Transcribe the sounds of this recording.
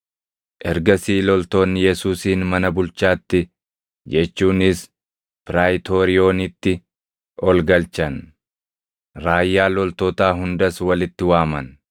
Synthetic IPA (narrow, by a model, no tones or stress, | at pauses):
ʔɛɾɡɐsiːlɔlt̪o̞ːnːɪjɛsuːsiːnmɐnɐbʊlt͡ʃːaːt̪ːɪ | d͡ʒɛt͡ʃːuːnɪs | pɪɾaːjt̪o̞ːɾɪo̞ːnɪt̪ːɪ | ɔlɡɐlt͡ʃɐn | ɾaːjːaːlɔlt̪oːt̪aːɦʊnd̪ɐswɐlɪt̪ːɪwaːmɐn